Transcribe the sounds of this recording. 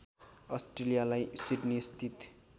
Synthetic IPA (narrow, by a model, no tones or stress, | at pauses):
ʌsʈrelijalajsiʈnist̪ʰit̪